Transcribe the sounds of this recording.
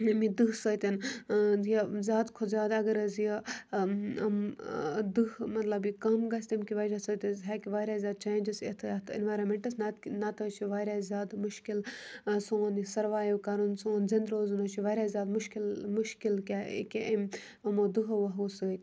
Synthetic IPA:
ɐmid̪ɨɦsəːt̪ʲɐn | jizʲaːd̪kʰozʲjaːd̪ɐɡɐɾɐzjɐ | ɐmd̪ɨɦmɐt̪lɐbikɐmɡɐsʲt̪ɐmkiʋɐɾasəːt̪ʲɐzɦakiʋaːjɾʲaːzʲjaːd̪̚t͡ʃʰeːnd͡ʒɐset̪ʰet̪ʰḭnʋaːjɾɐnmeɳʈɐsnɐnɐt̪ɐt͡ʃʰiʋaːjɾʲaːzʲjaːd̪muʃkilsoːnisɐɾʋaːjukɐɾunsoːnzɐnd̪ɾoːzunɐt͡ʃʰiʋaːjɾʲazʲjaːd̪muʃkilmuʃkilkʲa̰kʲeʔɐmʲ | ɐmoːd̪ɨɦʋɐɦusəːt̪ʲ

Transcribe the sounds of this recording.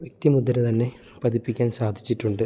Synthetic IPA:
ʋjek̚t̪imud̪ːɐɾɨt̪ɐnːe̞ | pɐd̪ipːikʲːaːnsaːd̪ʱit͡ɕːiʈːuɳɖɨ

